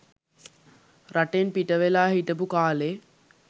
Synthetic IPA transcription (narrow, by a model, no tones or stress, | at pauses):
ɾaʈenpiʈəʋelaːɦiʈəbukaːleː